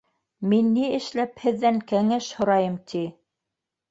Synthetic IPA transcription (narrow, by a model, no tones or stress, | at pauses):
minːiɘ̆ʃlæphɘ̆ðːæŋkæŋæʃhŏɾɑjɤmt̪ʰi